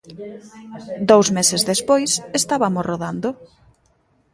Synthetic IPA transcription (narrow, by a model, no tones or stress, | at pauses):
d̪owzmesezðespojsest̪aβamosroðand̪o